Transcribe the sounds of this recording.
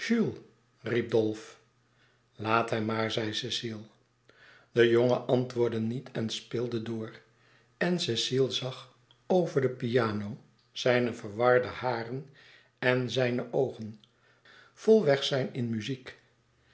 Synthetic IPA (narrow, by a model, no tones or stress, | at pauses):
ʒ̥ylˠ | rib̚dolˠf | laːtɦɛmːaːɹzɛjsesilˠ | d̥əjoŋəʔɑntʋʊːɹdənitʰɛnspɪːlˠdədʊːr | ɛnsesilˠzɑχ | owvəɹdəpiaːnow | z̥ɛjnəvəɹʋɑɹdəhaːrən | ɛnzɛjnəʔowχən | v̥ʊlˠʋɛχsɛjnɪnmyzik